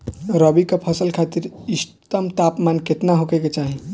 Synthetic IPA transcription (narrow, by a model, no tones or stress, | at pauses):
ɾəbikepʰəsəlkʰat̪iɾist̪əmt̪apmanket̪naɦokɛjket͡ʃaɦi